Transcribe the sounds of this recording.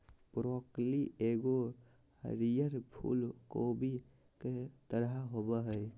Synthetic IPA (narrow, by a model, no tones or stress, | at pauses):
pɾɔkliʔeɡo | hə̰ɾijəɾpʰṵlkobi | ket̪əɾɦaɦobəɦəj